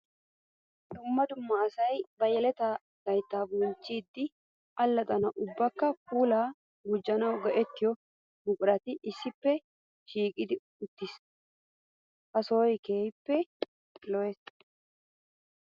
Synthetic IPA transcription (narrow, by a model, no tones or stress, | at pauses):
d̪ʊmːɐd̪ʊmːɐːsɐjbɐjɛlɛt̪ɐ | d̪̥ɐjt̪ːaːbʊnt͡ʃːiːd̪ːɪ | ɐlːɐt̪ʼɐnɐʔʊbːɐkːɐpuːlaː | ɡʊd͡ʒːɐnɐwɡɐʔɛt̪ːɪjɔ | mʊkʼʊɾɐt̪ɪʔɪsːɪpːɛ | ʃiːkʼɪd̪ɪ | ʊt̪ːɪs | hɐsoːjke̞ːjpːɛ | lɔɛs